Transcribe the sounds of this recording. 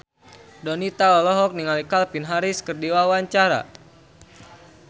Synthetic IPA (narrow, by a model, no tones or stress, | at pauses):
dɔnit̪aɔlɔɦɔk̚niŋalikalpinɦaɾiskərdiwawaɲt͡ʃaɾa̰